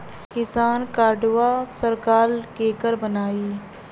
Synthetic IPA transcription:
kɪsaːnkaːɖʋasəɾkaːlkeːkəɾbənaːiː

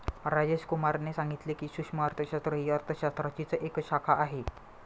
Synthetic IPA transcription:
ɾad͡zeɕkumaɾnesãŋɡit̪lekiːɕukʂməəɾt̪ʰəɕast̪ɾəɦiəɾt̪ʰəɕast̪ɾat͡ɕit͡səʔekɕakʰaʔaɦe

